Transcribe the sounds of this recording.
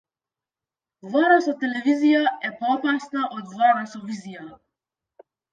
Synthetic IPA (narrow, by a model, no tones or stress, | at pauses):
vaɾasɔt̪ɛlɛvizijaɛpɔɔpasnaʔod̪vaɾasɔvizija